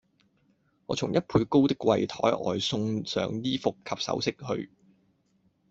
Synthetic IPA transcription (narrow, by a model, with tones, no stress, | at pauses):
ŋɔː˨˧t͡sʰʊ˨˩ŋjɐ˥t̚pʰuː˨˧jko˥wt̪ɪ˥kːwɐ˧jt̪ʰɔː˨˥jʔɔ̰ː˨jsʊ˧ŋsœ̰ː˨˧˥ŋjiː˥fʊ˨kʰɐ˧p̚sɐ̰˨˥wsɪ˥k̚hɵ̰˧ɥ